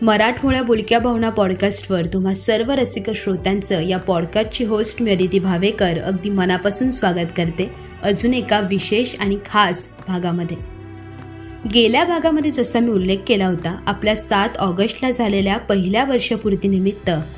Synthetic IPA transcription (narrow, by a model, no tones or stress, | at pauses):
məɾaʈʰmuɭjabuɭkjabʱaʋɳapɔɽkasʈʋəɾt̪um̤asəɾʋəɾəsikəɕɾot̪ant͡səjapɔɽkat͡ɕiːɦosʈmjəd̪it̪iːbʱaʋekəɾə̰ɡd̪iːmənapasuːnsʋaɡət̪kəɾt̪e | əd͡zuːnekaʋiɕeɕaɽ̃ikʰas | bʱaɡaməd̪ʱːje | ɡeljabʱaɡaməd̪ʱːjed͡zəsamiːulːekːelaɦot̪aapljasat̪ɔɡəsʈlad͡zʱaleljapəɦiljaʋəɾʂəpuɾt̪iːnimit̪ːə